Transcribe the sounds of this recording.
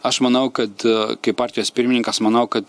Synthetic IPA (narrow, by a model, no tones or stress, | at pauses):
ɐʃmɐnɐʊkɐt̪kɐɪppːɑːɾʲt̪ʲɪjoːspʲɪɾʲmʲɪnʲɪŋkɐsmɐnɐʊkɐt̪